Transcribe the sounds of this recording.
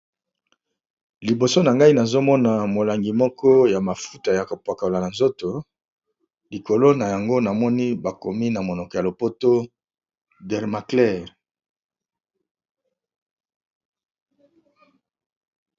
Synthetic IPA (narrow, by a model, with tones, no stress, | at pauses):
li˨bo˨so˦na˨ŋɡa˦i˦na˨zo˦mɔ˦na˨mo˨la˨ŋɡi˨mɔ˦kɔ˦ja˨ma˨fu˦ta˨ja˨ko˨pwa˨ka˨la˨na˨nzo˦to˨ | li˨ko˨lo˦na˨ja˨ŋɡo˦na˨mɔ˦ni˦ba˨ko˨mi˦na˨mo˨nɔ˨kɔ˨ja˨lo˨po˦to˦ | dɛ˨ʁma˨klɛ˦˨ʁ